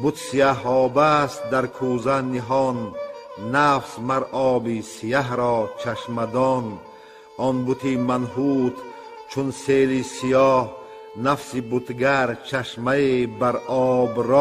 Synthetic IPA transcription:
but̪sijaɦɔːbast̪̚d̪aɾkʰuzaniɦɔnː | afsmaɾʔɔːbisijaɦɾɔːt͡ʃʰaʃmad̪ɔn | ɔnbut̪ʰimanɦut̪ | t͡ʃʰunselisijɔːh | nafsibut̪ɡaɾt͡ʃʰaʃmaebaɾɔːbɾɔ

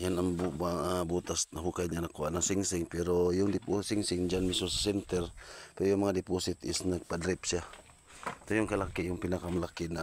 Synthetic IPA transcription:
janambubaabut̪asnaɦukajɲanakoanasiŋsiŋpɛɾojʊŋdiposiŋsiŋd͡ʒanmisosḁsɛnt̪ɛrpɛɾojʊŋmaŋadɛposit̪ḭsnaɡ̚padɾipsia | t̪ojʊŋkalakijʊŋpinakamalakina

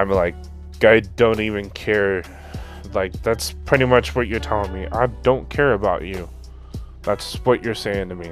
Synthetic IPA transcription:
ɪ̃mlaɪk̚ | ɡ̥aɪdõʊ̃ntivɨ̃nkʰɛɹ | laɪk̚ðætspʰɹ̥ɪɾimʌt͡ʃwʌt͡ʃə˞tʰɔlˠɪ̃ŋmiʔa̰ɪdõʊ̃nkʰɛɹɨbaʊt͡ʃʉ | ðætswʌt͡ʃə˞seɪɪ̃ŋtʰɨmi

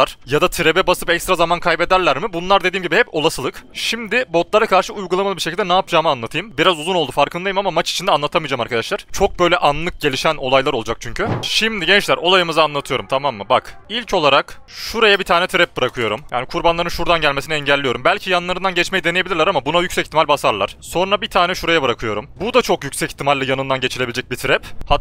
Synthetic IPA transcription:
aɾ̥jad̪at̪ʰiɾebɛbasɯpɛcst̪ɾazamankʰajbe̞d̪æɾlʲæɾmibunlˠaɾd̪ed̪iːmɟibihɛpo̞lˠasɯlˠɯkʃimd̪ɪbo̞t̪lˠaɾakʰaɾʃɯujɡulˠamalˠɯbiɾʃ̬ecilʲd̪ɛnaːpʰd͡ʒaːmɯanlˠat̪ʰɯjɯmbiɾazuzunolˠd̪ufaɾkʰɯnd̪ajɯmamamat͡ʃi̥t͡ʃʰind̪ɛanlˠat̪ʰamɯid͡ʒaːmaɾkʰad̪aʃlˠaɾ̥t͡ʃʰo̞k̚bø̞jlʲɛʔanlˠɯk̚ɟelʲiʃæno̞lˠajlˠaɾo̞lˠud͡ʒak̚t͡ʃʰyɲcʰyʃimd̪iɟɛnt͡ʃlʲæɾo̞lˠajɯmɯzaːnlˠat̪ʰɯjo̞ɾumt̪ʰamamːɯbakilʲcʰo̞lˠaɾakʃuɾajabit̪ʰaːnɛt̪ʰiɾɛp̚bɯɾakʰɯjo̞ɾumjaːnikʰuɾbanlˠaɾɯnʃuɾd̪anɟælʲmesinɛɛɲɟælʲːijoɾumbælʲcʰijanɯnˠaɾɯnd̪anɟɛt͡ʃme̞jid̪e̞nejeilʲiɾlʲɛɾamabunajycsɛci̥t̪ʰimalʲbasaɾlˠa̰ɾ̥so̞nɾabit̪ʰaːnɛʃuɾajabɯɾakʰɯjo̞ɾumbud̪at͡ʃʰo̞kjycsɛci̥t̪ʰːimalʲːijanɯnd̪anɟe̞t͡ʃʰilʲe̞bid͡ʒɛc̚bit̪ʰɾɛpha

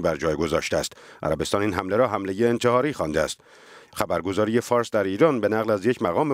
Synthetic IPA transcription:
bæɾd͡ʒɒːjɡo̞zɒːʃt̪eæst̪ʔæ̰ɾæbest̪ɒːniːnɦæmleɾɒːɦæmle̞jeːnt̪ʰe̞hɒːɾiːxɒnd̪eæ̰st̪ | χæbæɾɡo̞zɒːɾije̞fɒːɾsd̪æɾiːɾɒːnbe̞næɣlæzje̞cʰmæɣɒːme

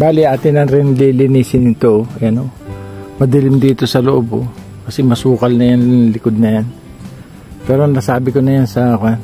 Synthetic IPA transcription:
baːlɪaːt̪ɪnɐŋɾɪnlilɪniːsɪnɪt̪oɛɐnomɐd̪ɪlɪmd̪iːt̪o̞sɐloʔobo̰ | kɐsɛmɐsuːkɐlnɐjanlɪkod̪̚nɐjan | pɛːɾonɐsaːbɪkonɐjansɐakan

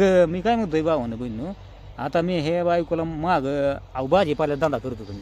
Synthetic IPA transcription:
miːkajməɡd̪əjbaʋonəbəjnːu | a̰t̪amiɦebajikɔlamaɡawbad͡ʑipalad̪ãnd̪akəɾt̪ukən

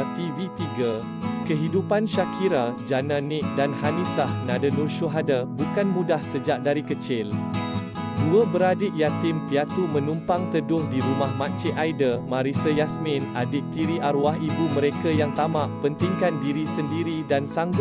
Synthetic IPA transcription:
t̪ivit̪iɡa | kəɦidupanʃakʰiɾad͡ʒanãnɪʔ̚danhanisahnãdənurʃuɦadabukanmũdahsəd͡ʒaʔ̚daɾikət͡ʃɪl | duəbəɾadɪʔjat̪ɪmpiat̪umə̃nũmpaŋt̪ədʊhdiɾumahmãt͡ʃɪʔajdəmãɾisəjasmɪ̃nadɪʔ̚t̪iɾiʔaɾuaɦibumə̃ɾekajaŋt̪amãʔpənt̪ɪŋkandiɾisəndiɾidansaŋɡ

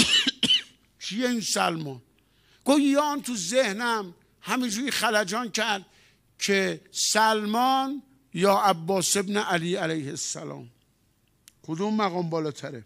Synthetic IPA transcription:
t͡ʃʰijeiːnsæ̰lmɒːn | ɡ̥ojjɒːnt̪ʰuzehnæm | hæmind͡ʒuːixælæd͡ʒɒːnkʰæɾd̪̥̚ | kʰesælmɒːn | jɒːʔæbːɒːse̞bneʔæliːælæjhesːæ̰lɒ̰ːm | kʰod̪umːæɣɒːmbɒːlɒːt̪ʰæɾe

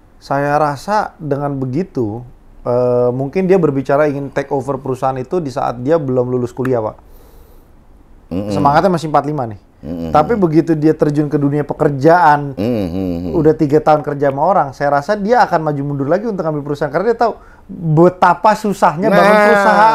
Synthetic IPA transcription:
sajaɾasadəŋanbəɡit̪u | əmuŋkɪndiabərbit͡ʃaɾaiŋɪnt̪ɛkofərpəɾusaɦanit̪udisa̰ʔa̰t̪̚diabəlʊmlulʊskuliapa̰ʔ | səmaŋat̪̚ɲamasɪŋmpat̪limanɪh | t̪apibəɡit̪udiat̪ərd͡ʒʊnkəduniapəkərd͡ʒaʔan | udaht̪iɡat̪aɦʊnkərd͡ʒamaoɾaŋsajaɾasadiaːkanmad͡ʒumudʊrlaɡiunt̪ʊkhambipəɾusaɦankarnadiat̪au | bət̪apasusaɦɲabaaəɾusaɦa

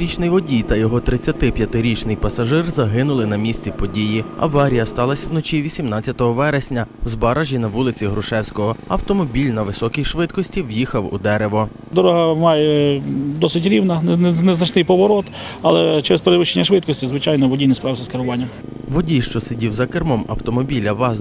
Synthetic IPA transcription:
ɾʲit͡ʃnɪjʋɔdʲijt̪ɐjɔɦɔt̪ɾɪt͡sʲːɐt̪ɪpʲjɐt̪ɪɾʲit͡ʃnɪjpɐsɐʒɪrzɐɦɪnʊlˠɪnɐmʲisʲt͡sʲipɔdʲijiɐ̰ʋɑɾʲijɐst̪ɑlˠɐsʲɐwnɔt͡ʃʲiʋʲisʲimnɑt͡sʲɐt̪ɔɦɔʋɛɾesʲnʲɐzbɐɾʔaʒʲinɐʋulˠɪt͡sʲiɦɾʊʃɛwsʲkɔɦɔɐ̰wt̪ɔmɔbʲilʲnɐʋɪsɔkʲijʃʋɪt̪kɔsʲtʲiwjixɐwṵd̪ɛɾeʋɔ | d̪ɔɾɔɦɐmɑjɛd̪ɔsɪt̬ʲɾʲiwnɐnnɛznɐt͡ʃnɪjpɔʋɔɾɔt̪ɐlˠɛt͡ʃɛɾɛspeɾɪʋɪʃt͡ʃenʲːɐʃʋɪt̪̚kɔsʲtʲizʋɪt͡ʃɑjnɔʋɔdʲijnɪspɾɑʋzɐskeɾʊʋɑnʲːɐm | ʋɔdʲijʃt͡ʃɔsedʲiwzɐkermɔmɐ̰wt̪ɔmɔbʲilʲɐʋɑ

